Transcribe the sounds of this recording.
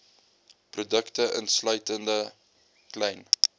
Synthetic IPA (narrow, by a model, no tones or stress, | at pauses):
prudəktəʔənslœɥtəndə | klɛjn